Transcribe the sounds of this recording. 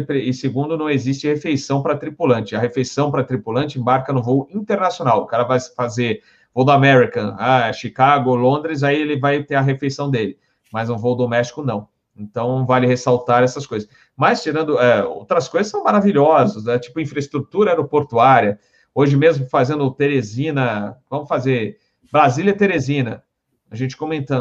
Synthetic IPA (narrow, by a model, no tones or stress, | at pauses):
pɾeɪseɡũnd̪ʊnɐ̃w̃ezist͡ʃɪhefejsɐ̃w̃pɾɐt̪ɾipulɐ̃nt͡ʃɪɐɦefejsɐ̃w̃pɾɐt̪ɾipulɐ̃nt͡ʃɪẽbaɾkɐnʊvoʊĩnt̪eɾnasjonawʊkaɾɐvajsfaze | vowd̪ʊamɛɾikɐ̃aʃikaɡʊlõnd̪ɾɪzaielɪvajt̪ẽɾɐɦefejsɐ̃w̃d̪elɪ | mɐznʊ̃vowʊd̪omɛst͡ʃi̥kʊnɐ̃w̃ | ẽnt̪ɐ̃w̃ñw̃valɪhesawt̪aɾɛsɐskojzɐs | mɐst͡ʃiɾɐ̃nd̪ʊɛo̰wt̪ɾɐskojzɐsːɐ̃w̃maɾaviʎɔzɐsɛt͡ʃi̥pʊĩfɾɐɪst̪ɾut̪uɾɐɛd̪ʊpoɾt̪uaɾiɐ | oʒɪmezmʊfazẽnd̪ʊt̪eɾezĩnɐvɐ̃mʊfazeɾ | bɾazilʲɐt̪eɾezĩnɐ | aʒẽnt͡ʃɪ̥komẽnt̪ɐ̃